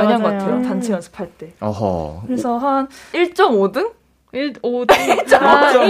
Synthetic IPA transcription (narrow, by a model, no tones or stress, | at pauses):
ʌɲʌnɡok͈attʰejotant͡ɕʰejʌnsʰɯ̥pʰaɭt͈e̞ʌ̰ɦʌ̰kɯɾesʰʌɦaniɭt͡ɕ͈ʌmodɯŋ | iɭot͡ɕa